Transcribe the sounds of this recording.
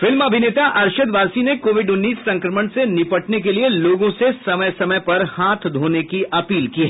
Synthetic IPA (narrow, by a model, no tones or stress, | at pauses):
fɪlmɐbʱɪneːt̪aʔɐɾʃəd̪ʋaːɾsinekoːʋɪɖʊnːiːsːɐ̃ŋkɾəməɳ̃senɪpəʈnek̬elieloːɡõsesɐməjsɐməjpɐɾhaːt̪ʰd̪ʱoːnekiʔɐpiːlkiɦɛː